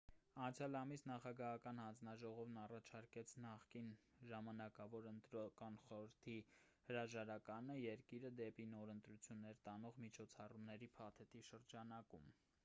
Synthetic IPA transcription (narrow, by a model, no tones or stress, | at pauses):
ɑnt͡sʰjɑlɑmisnɑχɑɡɑɦɑkɑnhɑnd͡znɑʒɔʁɔvnɑrɑt͡ʃʰɑɾkɛt͡sʰnɑχkinʒɑmɑnɑkɑvɔɾənt̪ɾkɑnχɔɾəɾt̪ʰi | həɾɑʒɑɾɑkɑnəjɛɾkiɾəd̪ɛpinɔɾənt̪ɾut͡sʰjunːɛɾt̪ɑnɔʁmit͡ʃʰɔt͡sʰɑrumnɛɾipʰɑt̪ʰɛt̪iʃəɾd͡ʒɑnɑkum